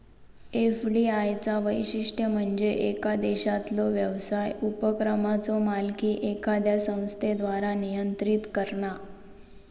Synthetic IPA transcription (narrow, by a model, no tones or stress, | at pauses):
efɖiajt͡saʋəjɕiʂʈʰjəm̤əɳd͡zeʔekad̪eɕat̪lɔʋjəʋsajupəkɾəmat͡sɔmalkiːʔekad̪jasə̃w̃st̪ʰed̪ʋaɾanijənt̪ɾiːt̪kəɾɳa